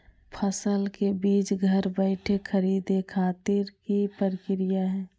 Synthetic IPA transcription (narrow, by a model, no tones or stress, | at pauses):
pʰəsəlkebiːt͡ʃɡʱəɾbəɪʈʰekʰəɾiːd̪ekʰaːt̪ɪɾkipəɾɪkɾijaɦɛ̃ː